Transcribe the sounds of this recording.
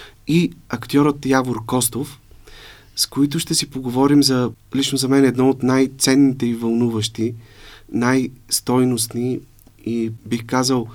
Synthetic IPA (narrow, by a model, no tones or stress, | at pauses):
iɐkt̪ʲɔɾət̪jaboɾkɔst̪of | skoit̪̬ʊʃt̪ɛsipoɡovɔɾimzɐlit͡ʃnozɐmɛnɛd̪nɔot̪najt̪sɛnːit̪ɛivɐlˠnuvəʃt̪inajst̪ɔjnosni | ibixkazəlˠ